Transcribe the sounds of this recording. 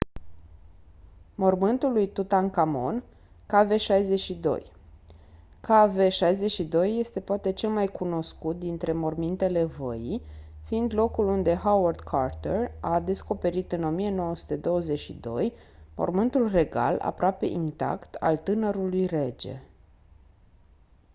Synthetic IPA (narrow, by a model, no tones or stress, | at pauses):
mo̞rmɨnt̪ulujt̪ut̪ankamo̞̰n | kave̞ʃajze̞ʃid̪o̞̰j | kʰaveʃajze̞ʃid̪o̞jːe̞st̪e̞poat̪e̞t͡ʃe̞lmajkʰuno̞skut̪̚d̪int̪ɾe̞mo̞rmint̪e̞le̞və̰jifiind̪lo̞kulund̪e̞ɦawərd̪kʰart̪erad̪e̞sko̞pe̞ɾit̪ɨno̞mije̞no̞wəsu̥t̪e̞d̪o̞wəze̞ʃḭd̪o̞̰j | mo̞̰rmɨnt̪ulre̞ɡa̰la̰pɾoape̞̰ʔint̪a̰kt̪ʰa̰lt̪ɨnəɾulujre̞d͡ʒe̞̰